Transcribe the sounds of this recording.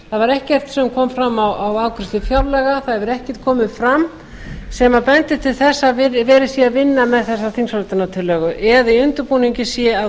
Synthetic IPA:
θaðvaɾɛhcɛr̥t̪sɛmkʰɔmfɾamːawʔawaːwkɾʏ̥st̪ɪfjawɾlɛɣaθaðɛvɪɾɛhcɛ̥t̪̚kʰɔːmɪðfɾam | sɛmapɛnt̪ɪt̪ʰɪlθɛsːavɪvɛːɾɪsiavɪnːamɛðθɛsːaθinsalt̪ɪnat̪ʰɪlːɛɣʏʔɛðiʏnt̪ʏɾpuniɲcɪsjɛa

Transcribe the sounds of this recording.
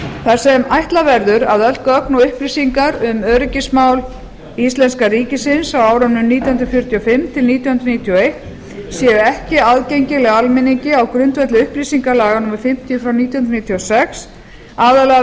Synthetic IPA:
θḁsɛmajht̪lavɛɾðʏɾa̰ðœlt̪kœknɔʏhpliːsiŋkaɾʏmœːɾɪcɪsmaːwl | ist̪lɛnskaɾiːcɪsɪnsawaːwɾœnːʏmniːt̪jhʏnɾfjʏɾt̪ʰjɔfɪmt̪ʰɪlniːt̪jɔnhʏnɾniːt̪ʰjɔejht̪ | sjɛːðʏɛhcɪaðcejɲcɪlɛɣaalmɪniɲcɪawkɾʏnt̪vɛt̪lɪʏhpliːsiŋkalaːɣanuːmaɾ̥fɪm̥t̪ʰjʏfɾawniːt̪jɔhʏnɾniːt̪ʰiɔsɛks | aːðalɛ

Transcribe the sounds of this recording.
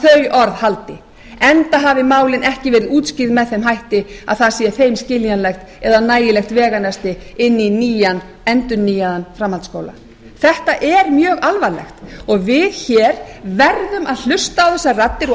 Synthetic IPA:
θœɥʔɔɾðhalt̪ɪ | ɛnt̪aɦaːvɪmaːwlɪnʔɛhcɪvɛːɾɪðuːt̪scɪɾðmɛðθejmɦajht̪ɪa̰ðθaðsiːaθejmscɪljanlɛxt̪ | ɛðanaːjɪlɛxt̪vɛːɣanɛst̪ɪɪnːiniːjan | ɛnt̪ʏnːiːjaðanfɾamːalt̪skoːwla̰ | θɛht̪aʔɛɾmjœːɣalvaɾlɛ̰xt̪ɔɣvɪðçɛːɾvɛɾðʏmaðl̥ʏst̪aawθɛsːarat̪ːɪɾɔ

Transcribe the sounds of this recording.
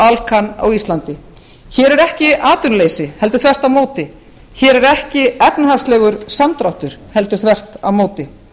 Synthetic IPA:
alkʰana̰wist̪lant̪ɪ | çɛːɾɛɾɛhcɪaːt̪ʏnleːjsɪhɛlt̪ʏɾ̥θvɛr̥t̪avmoːwt̪ɪ | çɛːɾɛɾɛhcɪɛpnahast̪lɛːɣʏɾ̥samt̪ɾawht̪ʏɾ̥hɛlt̪ʏ̥θvɛr̥t̪a̰vmoːwt̪ɪ

